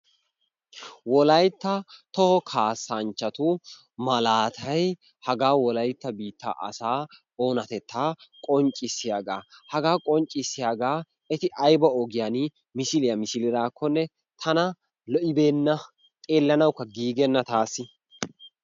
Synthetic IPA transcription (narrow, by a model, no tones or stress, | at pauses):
wɔlɐjt̪ːɐt̪ɔhɔkʰaːsːant͡ʃːɐt̪ʊ | mɐlaːt̪ʰɐj | hɐɡaːwɔlɐjt̪ːɐbiːt̪ːa̰ːʔɐ̰saː | o̞ːnɐt̪ɛt̪ʰːaːkʼɔɲt͡ʃʼɪsːɪjaːɡa̰ːhɐɡaːkʼɔnt͡ʃʼɪsːɪjaːɡaː | ɛt̪ɪʔɐjbɐɔɡɪjanɪ | mɪsɪlɪjɐmɪsɪlɪɾaːkʰːɔnːɛ | t̪ʰɐnɐ | lɔʔɪbeːnːɐ | t̪ʼeːlːɐnɐwkːɐɡiːɡɛnːɐt̪aːsːɪ